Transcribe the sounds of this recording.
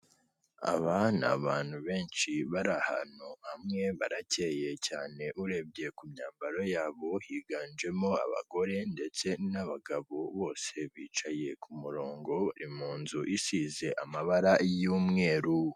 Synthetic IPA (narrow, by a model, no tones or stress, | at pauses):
a̰βana̰βaːn̥huβe̞ːnt͡ʃiβaɾaha̰nohamŋe̞βaɾace̞je̞caːne̞ʔuɾe̞b̚ɟe̞kumɲaːmbaɾo̞jaːβo̞hiːɡand͡ʒe̞mo̞a̰βa̰ɡo̞ɾe̞nde̞t͡se̞naβaɡaβoβo̞ːse̞βiːt͡ʃaje̞kʰumuɾo̞ːŋɡo̞βa̰ɾimuːnzuʔisize̞ʔamaβaɾajuːmŋe̞ːɾu